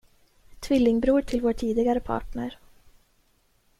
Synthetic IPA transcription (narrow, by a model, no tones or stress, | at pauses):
t̪ʰvɪlːɪŋbɾuːʈʰɪlvoːʈʰiːd̪ɪɡaɾəpʰɑ̰ːʈnɳəɾ